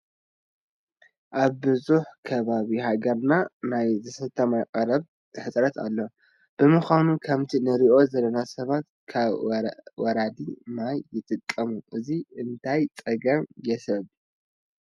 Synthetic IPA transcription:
ʔaβːɨzuħkʰɐβaβihaɡɐɾnanajzɨsɐt̪ʰːɐmakʼɐɾɐβʰ | ɨħɨsʼɾɐt̪ʰa̰lːo̞ | b̥ɨmɨxʷanukʰɐmt̪ʰinɨɾiʔo̞zɐlːɐnasɐβat̪ | kʰaβwɔɾad̪imajːɪt̪ʼɨkʼːɐmuʔɨziɨnt̪ʰajt͡sʼɐɡɐmjɛsɐβu

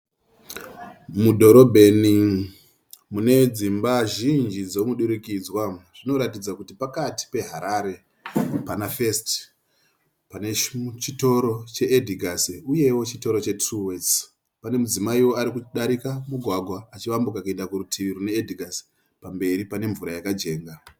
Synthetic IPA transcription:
mudʱo̞ɾo̞bʱe̞ni | mune̞d͡zimbaʒind͡ʒid͡zomuɗuɾikid͡zwaʐ̥ino̞ɾatid͡zakutipakati̥pe̞ɦaɾaɾe̞ | panafe̞st | pane̞t͡ʃito̞ɾo̞t͡ʃe̞edʱiɡʱasuje̞wo̞t͡ʃito̞ɾo̞t͡ʃe̞truwes | pane̞mud͡zimaiwo̞aɾikuɗaɾikamuɡʱwaɡʱwaːt͡ʃiʋambukakae̞ndakuɾutʰiʋiɾune̞ːdʱiɡʱas | pambe̞ɾipane̞ɱvuɾajakad͡ʒe̞ːŋɡa

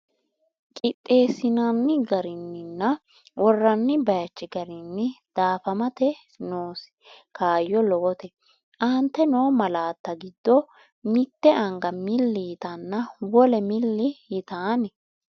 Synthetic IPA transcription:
kʼɪt̪ʼːe̞ːsɪnɐnːɪɡɐɾɪnːɪnːɐ | wʔɔrːɐnːɪbɐjɐt͡ʃːɪɡɐɾɪnːɪd̪̥aːfɐmɐt̪ɛ | noːs | kaːjːɔlɔwɔt̪ɛ | ʔɐnt̪ːɛnoːmɐlaːt̪ːɐɡɪd̪ːɔ | mɪt̪ːɛʔɐŋɡɐmɪlːɪjɪt̪ɐnːɐwɔlɛmɪlːɪjɪt̪aːnɛ

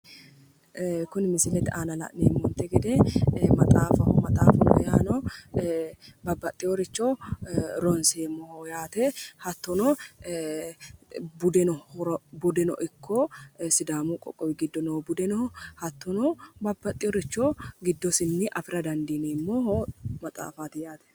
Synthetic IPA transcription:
kʊnmɪsɪlɛt̪ʔaːnɐlɐ̰ʔnḛːmːɔnt̪ːɛɡɛd̪ɛmɐt̪ʼaːfɐhɔmɐt̪ʼa̰ːfɔnɔ̰ja̰ːnɔ | bɐbːɐt̪ʼːɪjɔɾɪt͡ʃːɔ | ɾɔnseːmːɔhjaːt̪ɛhɐt̪ːɔnɔ | bʊd̪ɛnɔɔɾɔbʊd̪ɛnɔ̰ʔɪkʰːɔsɪd̪aːmukʼɔ̰kʼɔwɪɡɪd̪ːɔnowbʊd̪ɛnɔhɔhɐt̪ːɔnɔbɐbːɐt̪ʼːɪjɔɾɪt͡ʃːɔɡɪd̪ːɔsɪnːɪʔɐfɪɾɐd̪ɐnd̪iːneːmːɔhɔmɐt̪ʼa̰ːfaːt̪ɪjaːt̪ɛ̥

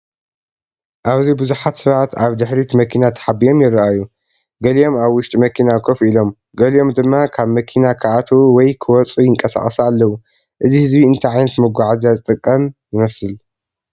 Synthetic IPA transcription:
ʔaβzibɨzuħat̪sɨβat̪ʰaβd̪ɨħɾit̪ʰmɐkʰinat̪ʰɐ̥ħabijo̞mjɪɾːɐaju | ɡɐlijo̞maβwʊʃt̪ʼimɐkʰinakʰofilo̞m | ɡɐlijo̞md̪ɨmːakʰaβmɐkʰinakʰɨʔat̪ʰowɔjkʰɨwɔt͡sʼujɪŋkʼɐsa̰χʼɐsalːɐwu | ʔɨzihɨzbiɨnt̪ʰaʕajnɐt̪mɨɡʷaʕazazɨt̪ʼɨkʼːɐmjɪmɐsɨl

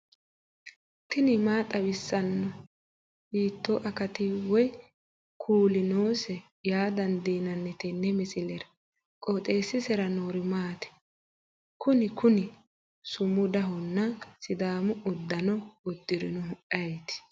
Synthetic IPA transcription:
t̪ɪnɪmaːt̪ʼɐwɪsːɐnːɔ | hiːt̪ːoʔɐkɐt̪ɪwɔj | kʰuːlɪnoːsɛ | jaːd̪ɐnd̪iːnɐnːɛt̪ɛnːɛmɛsɪlɛɾɐ | kʼoːt̪ʼe̞ːsːɪsɛɾɐnoːɾɪmaːt̪ɛ̥ | kʊnɪkʊnɪ | sʊmːʊd̪ɐɦɔnːɐsɪd̪aːmʊʊd̪ːɐnɔʊd̪ːɪɾɪnʊɦʊʔɐjt̪ɪ̥

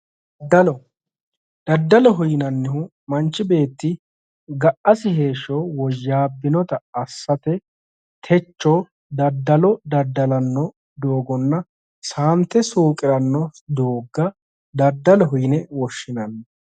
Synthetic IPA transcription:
d̪ːɐlɔ | d̪̥ɐd̪ːɐlɔɦʊjnɐnːɪhʊ | mɐnt͡ʃːɪbe̞ːt̪ːɪ | ɡɐʔːɐsɪhe̞ːʃowɔjːaːbːɪnɔt̪ɐɐsːɐt̪ɛ | t̪ʰɛt͡ʃːoː | d̪ɐd̪ːɐlɔd̪ɐd̪ːɐlɐnːɔ | d̪o̞ːɡɔnːɐ | saːnt̪ːɛsuːkʼɪɾɐnːɔd̪oːɡːɐ | d̪ɐd̪ːɐlɔɦʊjnɛwɔʃːɪnɐnːɐ

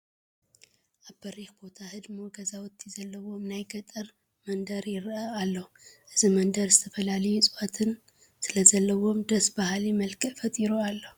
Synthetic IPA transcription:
ʔaβbɐɾixbo̞t̪ʰahɨd̪moɡɐzawɨt̪ʰːizɐlːɐwo̞mnajɡɐt̪ʼɨɾ | mɐnd̪ɐɾjɪɾʔaalːo | ʔɨzimɐnd̪ɐɾzɨt̪ʰɐfɐlalɐjusʼɨwat̪ʰɨn | sɨlɐzɐlːɐwo̞md̪ɐsbahlimɐlkʰɨʔfɐt̪ʼiɾualːo

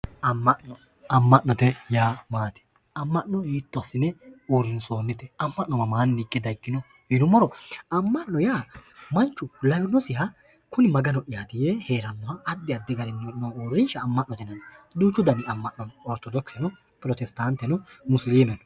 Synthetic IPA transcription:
ɐmːɐʔnɔ | ɐmːɐʔnɔt̪ɛjaːmaːt̪ɛ̥ | ɐmːɐʔnɔiːt̪ːɔsːɪnɛoɾɪnsoːnːɪt̪ɛɐmːɐʔnːɔmɐmaːnːɪkʼːɪd̪ɐjkːɪnɔ | hɪnʊmɔɾɔɐmːɐʔnːɔjaːmɐnt͡ʃːʊlɐbɪnɔsɪjɐ | kʊnɪmɐɡɐnɔʔɪjaːt̪ɪjeheːɾɐmːɐɐʔɐd̪ːɪɐd̪ːɪɡɐɾɛnːɛnooɾːɪnʃɐːmːɐʔnɔt̪ɛnɐnd̪uːt͡ʃːʊd̪ɐnɪɐmːɐʔnːɔnɔɾt̪ːɔd̪ɔksɛnʊ | pɾɔt̪ɛst̪ant̪ːɛnʊmʊsliːmɛnɔ

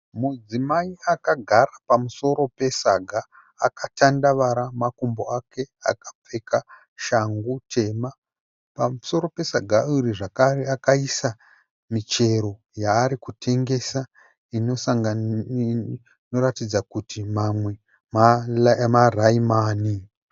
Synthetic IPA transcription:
mud͡zimaiakaɡʱaɾapamuso̞ɾo̞pe̞saɡʱaː | katandaʋaɾamakumbo̞akʰe̞a̰kḁp͡fe̞ka | ʃaŋɡutʰe̞ma | pamuso̞ɾo̞pe̞saɡʱauɾiʐakareakaisa | mit͡ʃe̞ɾo̞ | jaːɾikutʰe̞ŋɡe̞sa | ino̞saŋɡa | no̞ɾatid͡zakutimamwe̞ | mamaraimaːni

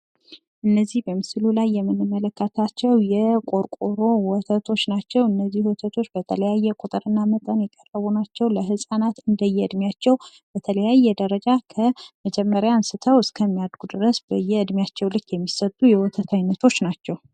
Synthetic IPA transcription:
ʔɨnːəzːihbəmɨslulajːɛmːɨnːɨmːələkːət̪ʰat͡ʃːɛwjɛkʼo̞ɾkʼoɾo̞wɔt̪ʰət̪ʰo̞t͡ʃːnat͡ʃːɛwɨnːəzːihwɔt̪ʰət̪ʰo̞t͡ʃːbət̪ʰələjajːɛkʼot̪ʼɨɾɨnːamət̪ʼənjɛkʼərːəβunat͡ʃːɛwləɦɨsʼanat̪ɨnd̪əjːɛɨd̪mjat͡ʃːɛw | b̥ət̪ʰələjajːɛd̪əɾəd͡ʒakʰəməd͡ʒɛmːəɾjansɨt̪ʰəwɨskʰəmːijad̪ɡud̪ɨɾəsb̥əjːɛɨd̪mijat͡ʃːɛwlɨkːjɛmːisət̪ʼujɛwɔt̪ʰət̪ʰajnːət̪ʰo̞t͡ʃːnat͡ʃːɛw

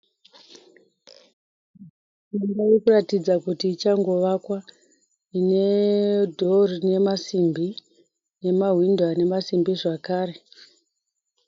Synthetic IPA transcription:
mimbajekuratid͡zakutiːt͡ʃaŋɡo̞ʋakwa | ine̞dʱorne̞masimbi | ne̞maɦwindwane̞masimbiʐakaːɾe̞

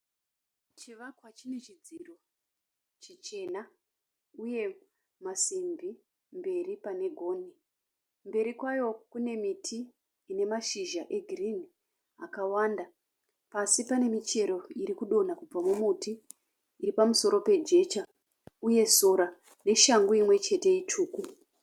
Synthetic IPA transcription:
t͡ʃiʋakwat͡ʃinet͡ʃid͡ziro̞ | t͡ʃit͡ʃe̞na | uje̞ | masimbi | mbe̞ripane̞ɡʱo̞ːni | mbe̞ɾikwajo̞kune̞mitʰiː | ne̞maʃiʒaʔe̞ɡʱirini | akawaːnda | pasipane̞mit͡ʃe̞ɾo̞iɾikuɗo̞nakub͡vamumutiː | ɾipamuso̞ɾo̞pe̞d͡ʒe̞t͡ʃa | uje̞soɾa | ne̞ʃaŋɡoimwe̞t͡ʃe̞te̞it͡ʃuːku

